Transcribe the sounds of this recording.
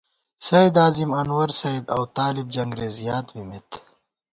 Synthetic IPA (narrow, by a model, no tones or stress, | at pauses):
sɐjd̪aːzimɐnwɐɾsɐid̪ɐwt̪aːlib̚d͡ʒɐŋɡɾeːzjaːt̪bimet̪